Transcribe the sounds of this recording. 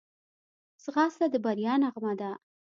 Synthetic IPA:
sɣɑsad̪əbaɾjɑnaɣmad̪a

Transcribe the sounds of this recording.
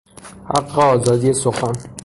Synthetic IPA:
ha̰ɡːeɒːzɒːd̪ijesoxæn

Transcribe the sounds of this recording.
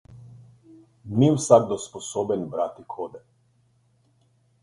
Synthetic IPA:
niwsaɡ̚d̪ɔspɔsoːbɛnbɾaːt̪ikʰoːd̪ɛ

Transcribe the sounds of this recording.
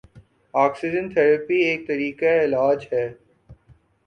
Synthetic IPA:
aːksɪd͡ʒə̃nt̪ʰɛɾəpieːk̚t̪ɐɾiːkeɪlaːd͡ʒɦɛː

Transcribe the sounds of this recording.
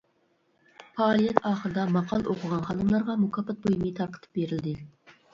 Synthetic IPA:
pɑːlˠijɛt̪ɑːχəɨd̪ɑmɑqʰɑlˠʔoqʰʊʁɑnχɑːnɨmlˠɑɾʁɑmukʰɑːpːɑt̪̚bojimɨt̪ʰɑɾqə̥t̪ʰɨ̥p̚beɾɪld̪ɪ

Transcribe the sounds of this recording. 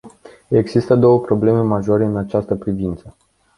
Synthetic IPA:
e̞ɡzist̪əd̪o̞wəpɾo̞ble̞me̞maʒo̞ɾe̞ɨnat͡ʃast̪əpɾivint̪sə

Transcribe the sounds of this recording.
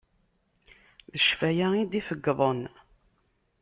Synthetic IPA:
ðəʃfæjæid̪ifəɡːðˤən

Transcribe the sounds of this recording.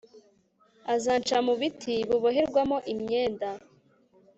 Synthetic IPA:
azaːnt͡ʃamuβitʰiβuβoɦeɾɡwamoʔimɲeːnda

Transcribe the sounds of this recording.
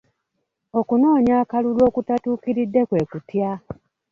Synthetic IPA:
o̞kuno̞ːɲaːkalulo̞ːkutatuːkiɾidːe̞kwe̞ːkutja

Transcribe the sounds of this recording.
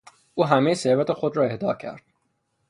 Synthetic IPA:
ʔuːɦæme̞jese̞ɾvæt̪ʰexod̪ɾɒːe̞hd̪ɒːcʰæ̰ɾd̪̥

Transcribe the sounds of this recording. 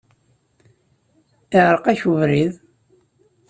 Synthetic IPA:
əʕɾˤəqæçuvɾið

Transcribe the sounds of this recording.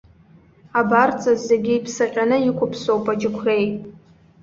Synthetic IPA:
abart͡sʼazeɡʲɪipʰsaqʲʼanɨikʷʊpʰso̞wpʼad͡ʒɪkʷʰre̞jtʼ

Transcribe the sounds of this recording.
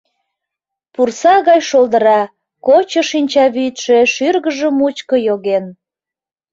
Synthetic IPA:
pursɑɣɑjʃolˠd̪əɾɑ | kot͡ɕəʃinʲt͡ɕɑβyt̪ʃeʃyrɣəʒəmut͡ɕkəjoɣen

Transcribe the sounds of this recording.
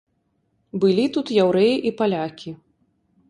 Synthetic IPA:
bɨlʲit̪ut̪jawɾɛjiʔipalʲakʲʰi

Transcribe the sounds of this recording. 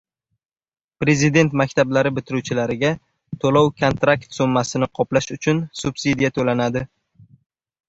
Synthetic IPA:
pɾe̞zɪd̪e̞nt̪makʲt̪ʰablaɾɪbɪt̪ʰɪɾuwt͡ʃʰɪlaɾɪɡʲa | t̪ʰolɒwkʰont̪ɾakt̪somːasɪnɪqʰɒplaʃʊt͡ʃʰʊnsubsid̪ijat̪ʰolanad̪ɪ

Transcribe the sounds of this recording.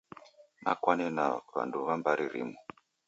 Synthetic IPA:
na̰kwanɛnaɾa̰nduʋambaɾiɾḭmu

